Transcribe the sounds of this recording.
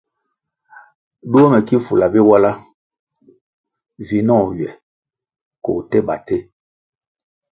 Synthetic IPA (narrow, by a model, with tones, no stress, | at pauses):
du˦o˦mɛ˨ki˦fu˨la˨bi˦wa˦la˦ | vi˨nɔ̃˦˨ɥjɛ˨ | ko̰˨tɛ˦ɓa˨te˦